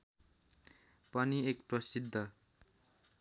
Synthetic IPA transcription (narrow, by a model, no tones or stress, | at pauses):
pʌniekprʌsid̪ʱːʌ